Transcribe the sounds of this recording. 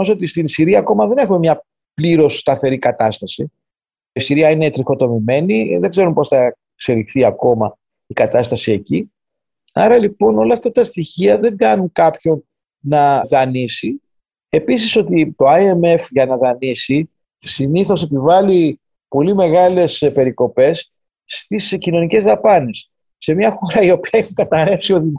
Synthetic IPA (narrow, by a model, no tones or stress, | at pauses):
oso̞t̪ist̪insiɾiɐːko̞mɐðe̞ne̞xume̞mɲɐ | pliɾo̞sːt̪ɐθe̞ɾikɐt̪ɐst̪ɐsi | isiɾiɐine̞t̪ɾixo̞t̪o̞mime̞niðeɡze̞ɾumpo̞sθɐ | kse̞lixθiɐko̞mɐ | ikɐt̪ɐst̪ɐsie̞ci | ɐɾɐlipo̞no̞lɐːft̪ɐt̪ɐst̪içiɐðe̞ŋɡɐnuŋkɐpço̞n | nɐðɐnisi | e̞pisiso̞t̪it̪o̞ɐie̞me̞fʝɐnɐðɐnisi | siniθo̞se̞pivɐli | po̞lime̞ɣɐle̞spe̞ɾiko̞pe̞sː | t̪iscino̞nice̞zðɐpɐne̞sː | e̞mɲɐxo̞ɾɐio̞piɐexuŋkɐt̪ɐɾe̞fsio̞ði